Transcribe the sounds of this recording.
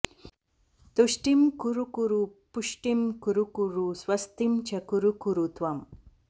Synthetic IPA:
t̪uɕʈimkuɾukuɾupuʂʈimkuɾukuɾuswɐst̪imt͡ɕʰɐkuɾukuɾut̪wɐm

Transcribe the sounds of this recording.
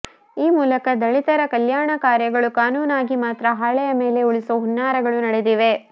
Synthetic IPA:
iːmuːlɐkɐd̪ɐɭit̪ɐɾɐkɐljaːɳɐkaːɾjɐɡɐɭukaːnuːnaːɡimaːt̪ɾɐɦaːɭɛjɐmeːle̞uɭisoɦunːaːɾɐɡɐɭunɐɽed̪iʋe̞

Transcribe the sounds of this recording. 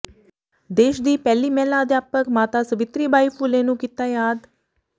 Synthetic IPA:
d̪eːʃd̪iːpɛːliːmɛːlaəd̪jaːpəkmaːt̪aːsəʋɪt̪ɾiːbʱaːipʰulẽːnũːkɪt̪aːjaːd̪

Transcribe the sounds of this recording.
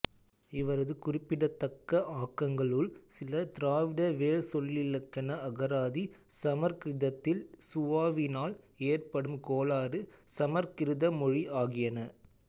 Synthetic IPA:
ɪʋɐɾɐðɯkʊrɪpːɪɽɐt̪ːɐkːɐʔaːkːɐŋɡɐɭɯɭsɪlɐt̪ɪɾaːʋɪɽɐʋeːɻsɔlːɪlɐkːɐnɐɐɣɐɾaːðisɐmɐɾkɪɾɪðɐt̪ːɪlsʊʋaːʋɪnaːl | eːrpɐɽɯmkoːlaːɾɯsɐmɐɾkɪɾɪðɐmɔɻiʔaːɣɪjɐnɐ

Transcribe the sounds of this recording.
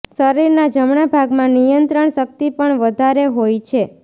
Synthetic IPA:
səɾiɾnad͡ʒəmɳabʱaɡmãnijənt̪ɾəɳʃək̚t̪ipəɳʋəd̪ʱaɾeɦojt͡ʃʰe

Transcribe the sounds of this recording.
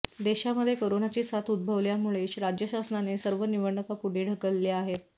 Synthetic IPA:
d̪eɕaməd̪ʱːjekəɾonat͡ɕiːsat̪ud̪̚bʱəʋljamuɭeɕɾad͡ʑjəɕasnanesəɾʋəniʋəɳːəkapuɽeɽ̤ʱəkəlleaɦet̪

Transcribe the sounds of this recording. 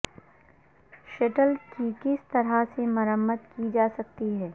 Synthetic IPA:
ʃeʈəlkikɪst̪ɐɾasemɐɾəmːəd̪kid͡ʒaːsɐk̚t̪iɦɛː

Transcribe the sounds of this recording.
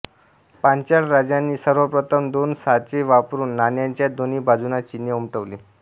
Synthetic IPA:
pãɲt͡ɕaɽɾad͡ʑjanːiːsəɾʋəpɾət̪ʰəmd̪onsat͡ɕeʋapɾuːnːanjaɲt͡ɕjad̪oniːbʱad͡zunat͡ɕinjəumʈəʋliː

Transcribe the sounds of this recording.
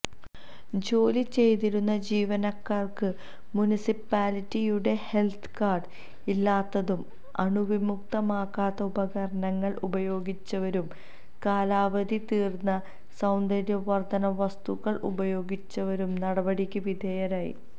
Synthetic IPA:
d͡ʑo̞ːlit͡ɕe̞jt̪̬iɾunːɐd͡ʑiːʋɐnɐkːaːrkɨ | munisipːaːlitːijuɽe̞he̞lt̪ʰkaːrɖ | ilːaːt̪ːɐðum | ɐ̰ɳuʋimuk̚t̪ɐmaːkːaːt̪ːɐubɐɣɐɾɐɳɐŋːɐɭʔubɐjo̞ːɡit͡ɕːɐʋɐɾum | kaːlaːʋɐd̪ʱit̪iːrnːɐ | sɐwnd̪ɐɾjɐʋɐrd̪ɐnɐʋɐst̪uɣɐɭʔṵbɐjo̞ːɡit͡ɕːɐʋɐɾumnɐɽɐbɐɽikʲːuʋid̪ʱɐjɐɾaːjḭ

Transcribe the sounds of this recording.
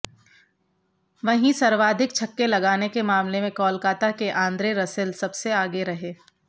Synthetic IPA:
ʋɐɦĩsɐɾʋaːd̪ʱɪkt͡ʃʰɐkːelɐɡaːnekemaːmlemẽkɔːlkaːt̪akeʔãːnd̪ɾeɾɐsɪlsɐbseaːɡeɾɐɦeː

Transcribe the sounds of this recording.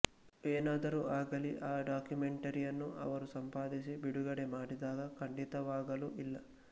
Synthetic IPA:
eːnaːd̪ɐɾuaːɡɐliʔaːɖaːkjume̞ɳʈɐɾijɐnːuʔɐ̰ʋɐɾusɐmpaːd̪isibiɽuɡɐɽemaːɽid̪aːɡɐkʰɐɳɖit̪ɐʋaːɡɐluʔilːɐ

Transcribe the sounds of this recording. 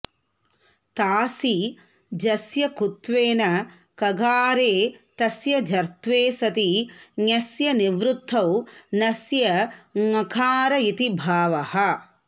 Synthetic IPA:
t̪aːsi | d͡ʒɐsjɐkut̪ʋeːnɐ | kɐɡaːɾeːt̪ɐsjɐd͡ʒʱɐɾt̪ʋeːsɐt̪iɲɐsjɐniʋɾut̪ʰːɐwnɐsjɐŋɐkʰaːɾɐit̪ibʱaːʋɐhɐ

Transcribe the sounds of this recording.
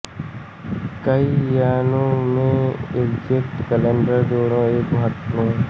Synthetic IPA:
kəijaːnõmẽɪɡd͡ʒɪk̚ʈkəlẽːɳɖəɾd̪oːɾõeːkɦət̪ːõː

